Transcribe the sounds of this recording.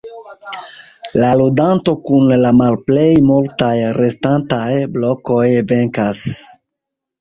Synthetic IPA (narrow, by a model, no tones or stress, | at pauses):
laludanto̞kunlamalple̞jmultajɾe̞stantajblo̞ko̞jve̞ŋkas